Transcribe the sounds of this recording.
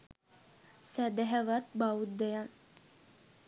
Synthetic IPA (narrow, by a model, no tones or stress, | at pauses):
sæd̪ɛɦæʋat̪baud̪ːɛjan